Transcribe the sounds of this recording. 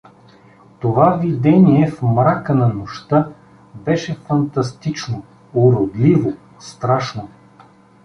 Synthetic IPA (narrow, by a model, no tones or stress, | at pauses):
t̪ovavid̪ɛniɛfmɾakənɐnoʃt̪a | bɛʃɛfɐnt̪ɐst̪it͡ʃno | ʊɾod̪livo | st̪ɾaʃno